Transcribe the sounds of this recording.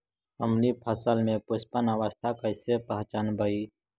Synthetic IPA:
əmnipʰɐsəlmẽpʊspənəʋəst̪ʰakəɪsepəɦt͡ʃanbʱəi

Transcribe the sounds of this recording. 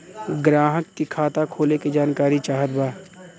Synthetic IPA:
ɡɾaːɦəkːikʰaːt̪akʰoːlekid͡ʒaːnkaːɾit͡ʃaːɦət̪baː

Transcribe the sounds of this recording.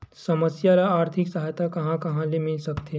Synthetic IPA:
sɐməsjaɾaaːɾt̪ʰɪksɐɦajt̪akɐɦãkɐɦãlemɪlsɐkt̪e

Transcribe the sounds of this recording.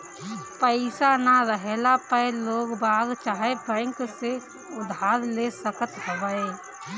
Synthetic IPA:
pəɪsanaɾəɦelapəloːɡbaːɡt͡ʃaːɦebɛ̃ːŋkse | ʊd̪ʱaːɾlesəkət̪ɦəʋəeː

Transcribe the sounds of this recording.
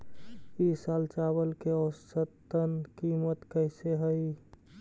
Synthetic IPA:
isalt͡ʃabəlkeɔsət̪ənkimət̪kəɪseɦəɪ

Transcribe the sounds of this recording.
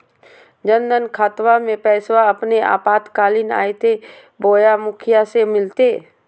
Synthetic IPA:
d͡ʒənd̪ənkʰaːt̪wamẽpɛːswaɐpneʔa̰ːpaːt̪kaːlɪna̰ːet̪ʰe | boːjamʊkʰɪjasemɪlt̪eː

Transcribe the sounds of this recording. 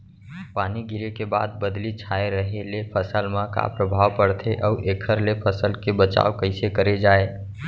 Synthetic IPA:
paːniɡʱɪɾekeba̰ːd̪̚bəd̪lit͡ʃʰaːeɾəɦelepʰəsəlmãka̰pɾəbʱaːwpəɽt̪ʰeʔɔuʔeːkʰəɾlepʰəsəlkebət͡ʃa̰ːokəɪsekəɾed͡ʒaːe

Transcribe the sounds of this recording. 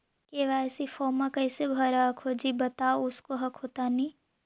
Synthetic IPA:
keʋasifoːmãkɐɪsebʱɐɾaɦɐkʰoːd͡ʒibɐt̪aoʊskoɦɐkʰoːt̪anĩː

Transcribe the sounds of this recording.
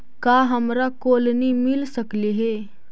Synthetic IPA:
kaɦəmɾakoːlnimɪlsəkliɦe

